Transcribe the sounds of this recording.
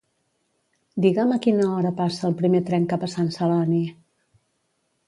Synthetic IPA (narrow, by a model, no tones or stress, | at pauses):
d̪iɣaməkinəɔɾəpasəːlˠpɾimet̪ɾɛŋkapəsansəlani